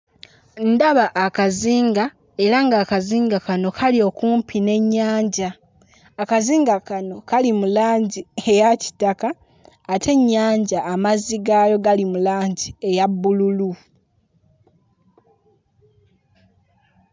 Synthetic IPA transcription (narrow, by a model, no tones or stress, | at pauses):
ndaβaʔːkaziːŋɡa | e̞ɾaŋɡaːkaziːŋɡakano̞kʰalio̞kuːmpʰine̞ɲːaːɲɟaː | kaziːŋɡakano̞kalimulaːɲɟie̞jaci̥takaː | tʰe̞ɲːaːɲɟaːmaziɡalo̞ɡalimulaːɲɟie̞jabːululu